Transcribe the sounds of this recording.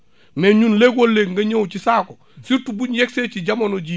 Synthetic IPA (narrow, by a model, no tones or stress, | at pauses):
meɲunleɡwolːeːɡŋɡɐɲewt͡ʃisaːko | situbuɲjɛkset͡ʃiɟamonoɟi